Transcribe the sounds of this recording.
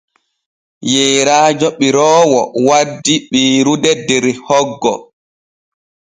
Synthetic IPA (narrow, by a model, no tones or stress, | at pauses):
jɛːɾaːd͡ʒɔɓiɾɔːwɔwadːiɓiːɾudɛdɛɾihɔɡːɔ